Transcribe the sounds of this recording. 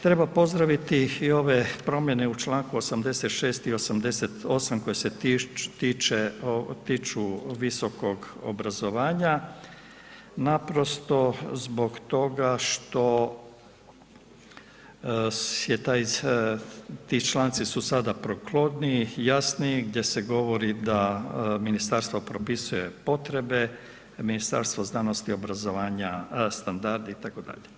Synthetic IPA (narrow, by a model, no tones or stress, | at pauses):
t̪ɾe̞bapo̞zd̪ɾaʋit̪iio̞ʋe̞pɾo̞mjene̞ut͡ʃlˠaːŋkuosamd̪e̞se̞t̪ʃeːst̪io̞samd̪e̞set̪o̞samko̞jeset̪iːt͡ʃeot̪iːt͡ʃuʋiso̞ko̞ɡo̰bɾazo̞ʋaːɲa | napɾo̞st̪o̞zbo̞ɡt̪o̞ɡaʃt̪o̞ | jet̪aːj | t̪iːt͡ʃlˠaːnt̪sisusad̪apɾoklˠo̞d̪nijasniɡd̪je̞seɡo̞ʋoɾid̪aminist̪aɾst̪ʋo̞pɾopisuje̞po̞t̪ɾe̞be | minist̪a̰ɾst̪ʋo̞znanost̪io̞bɾazoʋaːɲast̪and̪aɾd̪iit̪akod̪a̰ʎe